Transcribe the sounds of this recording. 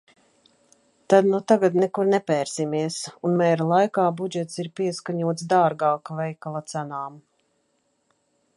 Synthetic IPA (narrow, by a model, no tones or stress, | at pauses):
t̪ad̪nut̪aɡad̪nɛkuɾnɛpɛːɾsimiɛsunmɛːɾalˠajkaːbud͡ʒɛt̪siɾpiɛskaɲuɔt̪sd̪aːɾɡaːkvɛjkalˠat̪sænaːm